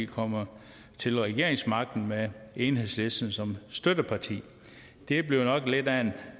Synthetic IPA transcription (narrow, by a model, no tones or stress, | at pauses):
kʰɒ̽m̰ɐ | t͡sʰe̝lʁɛɡ̥e̝ɐ̰eŋsmɑ̈ɡ̥̚d̥n̩meeːnhɦe̝ð̰ˠsle̝sd̥n̩sɒ̽msd̥ød̥əpʰɑ̈t͡sʰḭː | d̥e̝b̥le̝ʊnɒ̽ɡ̥le̝d̥æen